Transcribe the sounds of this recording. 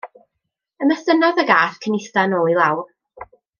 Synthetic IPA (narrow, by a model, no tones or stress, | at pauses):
əməsənɔðəɡaːθkʰənɪstanoːilˠawr